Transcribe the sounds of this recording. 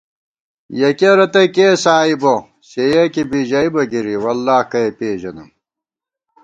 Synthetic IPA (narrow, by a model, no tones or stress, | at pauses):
jɐkeɾɐt̪ɐkeːsaːibo | ɕejɐkibiʑɐibɐɡiɾiwɐlːaːhkɐepeːʑɐnɐm